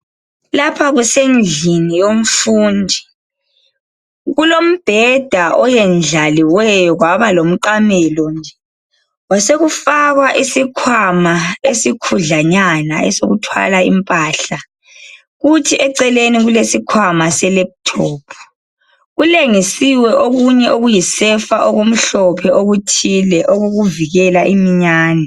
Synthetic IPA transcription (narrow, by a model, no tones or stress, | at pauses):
lapʰaɣusend͡ɮʱinijom̩fuːndʱi | ɣulom̩b̥ʱɛd̥ʱaʔɔjɛnd͡ɮʱaliwɛjɔɣwaβalom̩ǃamɛlɔnd͡ʒɛ | waseɣufaɣwaʔisikʰwamaesikʰuɮaɲanaɛsoɣutʰwa̰laḭmpʼaɬa | ɣutʰiʔɛǀɛleniɣulesikʰwamasɛlɛp̚tʰɔːpʰu̥ | ɣuleŋisiwɛʔoɣuɲɛʔoɣujisɛfaʔɔɣom̩ɬɔpʰɛoɣutʰilɛʔɔɣoɣuviɣɛlaʔimiɲaːnɛ